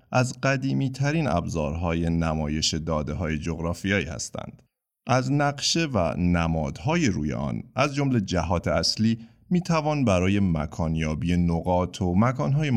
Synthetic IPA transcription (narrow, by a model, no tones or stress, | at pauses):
ʔæzɢæd̪iːmiːt̪ʰæɾiːnæ̰bzɒ̰ːɾɦɒːje̞næmɒːje̞ʃe̞d̪ɒːd̪eɦɒːje̞d͡ʒo̞ɣɾɒːfijɒːḭːhæ̰st̪æ̰nd̪̥ | ʔæznæɡʃe̞væ̰næmɒːd̪̥hɒːje̞ɾṵːje̞̰ʔɒ̰ːnæzd͡ʒo̞mle̞d͡ʒæɦɒːt̪ʰe̞æsliː | miːt̪ʰævɒːnbæɾɒːje̞mæ̰kʰɒːnjɒːbije̞noɣɒːt̪ʰomækʰɒːnɦɒːje